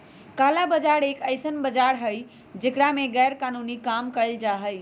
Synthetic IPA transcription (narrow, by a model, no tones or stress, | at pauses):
kaːlabəd͡ʒaɽeːkəɪsənbəd͡ʒaɾɦəj | d͡ʒekɽamẽɣɛːɾkaːnunikaːmkəld͡ʒaːɦəj